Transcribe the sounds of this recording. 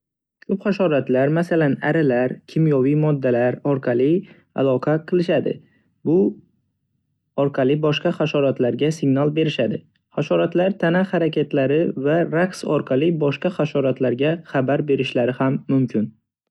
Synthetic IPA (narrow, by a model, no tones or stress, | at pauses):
kʰɵpχaʃɒɾat̪laɾmasalana̰ɾalaɾkʲʰɪmjɒvijmɒd̪ːalaɾɒɾqʰɑlɪ | a̰lˠɒqʰɑqʰɨlˠɪʃad̪ɪ̰ | bʊ | ɒɾqʰɑlˠɪbɒʃqɑχaʃɒɾat̪laɾɡʲasɪɡnalˠbe̞ɾɪʃad̪ɪ | χaʃɒɾat̪laɾt̪ʰanahaɾakʲʰat̪laɾɪvaɾaksɒ̰ɾqʰɑlˠɪbɒʃqɑχaʃɒɾat̪laɾɡʲaχabaɾbe̞ɾɪʃlaɾɪhamːʊmkʲʰɪn